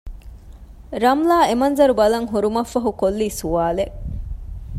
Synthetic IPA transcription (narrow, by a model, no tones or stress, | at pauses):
ɾɐmlaːemɐnzɐɾubɐlɐŋɦuɾumɐfːɐɦukolːiːsuʋaːleʔ